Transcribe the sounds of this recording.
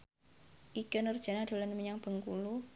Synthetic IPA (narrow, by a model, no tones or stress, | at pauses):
ʔiɡ̥ənərd̥ʒ̥a̤nad̥o̤lanmiɲaŋb̥ə̤ŋkulu